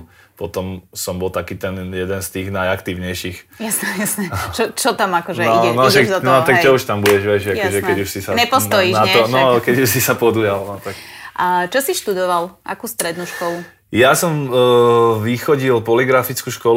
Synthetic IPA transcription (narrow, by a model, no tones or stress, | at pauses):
pɔt̪ɔmsɔmbɔlˠt̪akiːt̪ɛnjɛd̪ɛnst̪iːɣnajakt̪iːʊɲɛjʃixjasnɛjasnɛt͡ʃɔt͡ʃɔt̪amakɔʒɛɔiɛnɔʒɛɔnɔakt͡ʃɔuʃt̪ambuɟɛʒʋɛʒakɔʒɛkɛɟuʃsisaɲɛpɔst̪ɔjinat̪ɔnɔkɛɟuʃsisapɔd̪ujalnɔt̪akʔat͡ʃɔsiʃt̪ud̪ɔʋalʔa̰kuːst̪ɾɛd̪nuʃkɔlu | jasɔm | ʋixɔɟilpɔliɡɾafit͡skuːʃkɔl